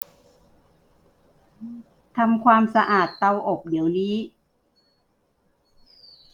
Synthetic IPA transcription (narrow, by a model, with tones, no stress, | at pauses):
t̪ʰa˧mkʰwaː˧msa˧ʔaː˨˩t̪ːa˧wʔo˨˩k̚di˩˦əwliː˦˥